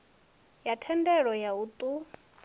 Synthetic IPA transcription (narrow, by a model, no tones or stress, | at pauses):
jatʰɛndɛɺɔjaut̪ʼu